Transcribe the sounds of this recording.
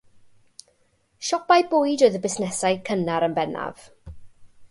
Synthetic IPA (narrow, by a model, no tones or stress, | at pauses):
ʃɔpajbʊjdojðəbɪsnɛsajkʰənaɾənbɛna̰v̥